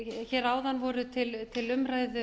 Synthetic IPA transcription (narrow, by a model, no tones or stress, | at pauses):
çɛːɾaːwðanvɔɾʏt̪ʰɪlt̪ʰɪlʏmraːjðʏ